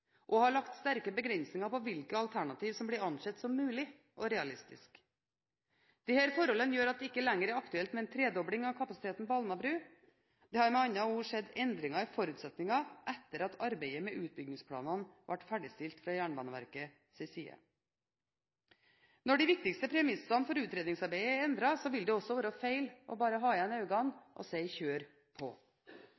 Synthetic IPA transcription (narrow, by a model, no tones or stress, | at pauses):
ʔɔhɑɭɑkt̪st̪æɾkəbəɡɾɛnsnɪŋɑpɔʋɪlkəɑlt̪ʰæɳɑt̪ʰiːʋsɔmbliːɾɑnʂɛt̪ːsɔmːʉːlɪ | ʔɔɾɛɑlɪst̪ɪ̰sk | d̪̥iːhæːɾfɔɾhɔlənjøːɾɑt̪̚d̪ɪkːəlæŋːəɾæɾɑkt̪ʉɛlt̪mɛnt̪ʰɾeːd̪ɔbɽɪŋɑkʰɑpɑsɪt̪ʰeːt̪n̩pɔɑlnɑbɾʉː | d̪̥ɛːhɑːɾmɛɑnːɑuːʂɛd̪ɛnd̪ɾɪŋɑfɔɾʉːt̪sɛt̪nɪŋɑʔɛt̪ːəɾɑt̪ʰɑɾbɛɪəmɛʔʉːt̪̚bʏɡnɪŋspʰlɑ̰ːnɑnʋʔɑʈːfæɖɪst̪ɪlt̪fɾɑjæːɳbɑ̰ːnəʋæ̰ɾkə | sɛsḭːə̰ | nɔɖɪʋɪk̚t̪ɪkst̪əpʰɾɛmɪsɑnfɔɾʉːt̪ɾeːd̪ɪŋsɑɾbæɪəɛnd̪ɾɑsɔʋɪld̪ɛɔsːɔʋɑːɾəɔfeɪlʔɔ̰bɑːɾəɦɑːɪɛnɑʉɡɑnʔɔ̰seɪçøːɾ | pʰɔ̰